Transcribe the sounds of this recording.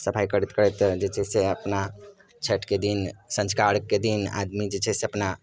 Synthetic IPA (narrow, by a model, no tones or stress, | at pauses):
səpʰajkəɾit̪kəɾɛt̪d͡ʒet͡ʃʰɛseəpna | t͡ʃʰəʈked̪insə̃nd͡ʒkaɾkːed̪ina̰d̪mid͡ʒet͡ʃʰɛseəpna